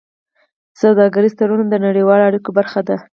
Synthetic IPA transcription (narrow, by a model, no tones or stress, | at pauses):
sawd̪ɑɡaɾizt̪aɾunand̪ənaɽiwɑloaɽikobaɾxad̪a